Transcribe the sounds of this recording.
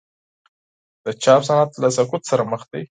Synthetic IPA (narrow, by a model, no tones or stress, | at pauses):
d̪̥ət͡ʃɑpsanɑt̪lasakʊt̪saɾaməxd̪aj